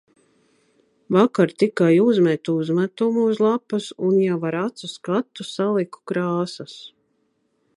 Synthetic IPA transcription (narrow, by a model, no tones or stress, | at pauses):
vakaɾt̪ikajuzmɛt̪uzmat̪umuuzlˠapusunjavaɾat̪suskat̪ːusalˠiku̥kɾaːsas